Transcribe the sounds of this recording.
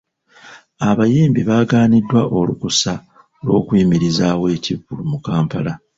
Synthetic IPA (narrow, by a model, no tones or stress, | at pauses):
aβajiːmbiβaːɡaːnidːwaʔo̞lukusa | lo̞̰ːkwiːmiɾizaːwe̞ːciβːulumukaːmpala